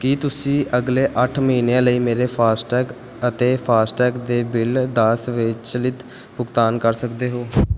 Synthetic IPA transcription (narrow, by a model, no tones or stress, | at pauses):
kiːt̪ʊsĩːʔəɡleːʔəʈʰməɦĩːnejãːləiːmeːɾeːpʰaːsʈɛːk | ət̪eːpʰaːsʈɛːkd̪eːbɪld̪əsʋɪt͡ʃt͡ʃəlɪt̪ | bʊɡt̪aːnkəɾsəkd̪eːɦoː